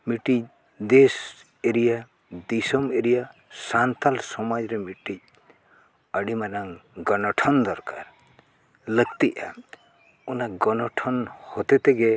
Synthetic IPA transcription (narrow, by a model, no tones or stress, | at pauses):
miʈic̚ | d̪es | eɾija | d̪isɔmeɾijasant̪alsɔmad͡ʒɾɛmiʈic̚ | əɖimanaŋɡɔnɔʈʰɔnd̪ɔɾka̰ɾ | ləɡt̪iʔa̰ | ɔnaɡɔnɔʈʰɔnhɔt̪ɛt̪ɛɡɛ